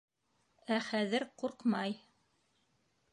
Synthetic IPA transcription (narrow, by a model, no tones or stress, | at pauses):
æχæðɘɾquɾqmɑj